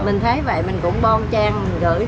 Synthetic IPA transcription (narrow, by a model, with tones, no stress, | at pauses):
mï˨˩ŋ̟t̪ʰə˨˦jvə̰˧˨jmï˨˩ŋ̟kʊ̰˧˥ŋ͡mɓɔ˧nt͡ɕaː˧ŋ˨˩ŋkɨ̰˧˩˥